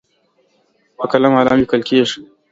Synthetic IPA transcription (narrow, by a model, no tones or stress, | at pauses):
wɐkɐlɐmhala̰ːmiːkɐlkʲeʃi̥